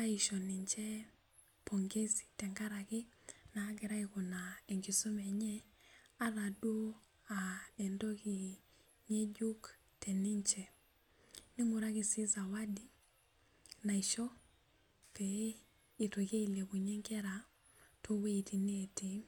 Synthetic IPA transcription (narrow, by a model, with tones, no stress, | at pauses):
a˦i˨ʃɔ˨ni˨ɲt͡ʃɛ˦ | pʰo˨ŋɡe˦si̥˨tɛ˨ŋɡa˦ɾa˨kɪ˦naː˦ɡɛ˨ɾa˦iko˨nae˨ŋɡi˨so˦mɛɲɛ˦ | a˦ða˨do˦ | aɛ˨ndo˦ki˨ | ɲe˦d͡ʒu˦k | tɛ˨ni˦ɲt͡ʃɛ˨ | nɪ˦mu˨ɾa˦kɪ˨si˦za˨wa˦di˨ | na˨i˨ʃɔ˦ | pe | i˨to˨ke˦i˦le˨ku˨ɲɛ˦ŋkɛ˦ɾa | tʰo˦we˦i˨ti˨ni˦e˨ti˦